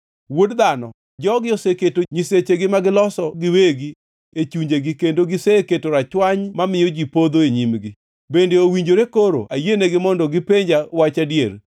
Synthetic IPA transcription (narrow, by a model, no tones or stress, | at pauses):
wodd̪anɔ | d͡ʒɔɡɪoseketoɲiset͡ʃeɡɪmaɡɪlɔsɔɡɪweɡi | et͡ʃuɲd͡ʒeɡɪkendoɡɪseketoɾat͡ʃwaɲmamɪjod͡ʒipod̪oeɲimɡɪ | bendeowiɲd͡ʒoɾekoɾo̰ʔajeneɡɪmɔndɔɡɪpeɲd͡ʒawat͡ʃadjeɾ